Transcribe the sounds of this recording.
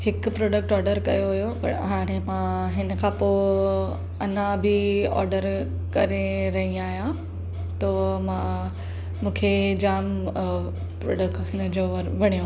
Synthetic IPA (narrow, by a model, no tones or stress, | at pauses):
hɪkpɾoːɖək̚ʈɔːɾɖəɾkɐ̰joɦʊjopɐ̰ʈɦaːɾ̃ẽmãɦɪn̆kʰãːpo | ɐnãbɪɔ̰ːɾɖəɾ | kɐɾeɾɐɦĩaːɦijã | t̪omãː | mũːkʰed͡ʑaːm | pɾo̰ːɖəkʈɦɪnd͡ʑoʋɐɽ̤̃ijũ